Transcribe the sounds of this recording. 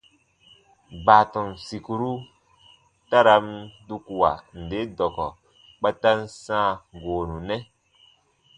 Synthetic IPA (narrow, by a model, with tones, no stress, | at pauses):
baː˨tɔ̃˨n˨si˨ku˨ɾu˦ | ta˦ɾa˨˦m˦du˦ku˨wa̰˨n̩˨de˨˦dɔ˨kɔ˨ | k͡pɛ˦ta˦n̩˦sãː˦˨ɡoː˨nũ˨nɛ˦